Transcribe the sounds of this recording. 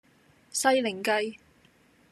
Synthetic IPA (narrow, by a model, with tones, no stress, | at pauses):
sɐ˥jlɪ˨˩ŋkɐ˧j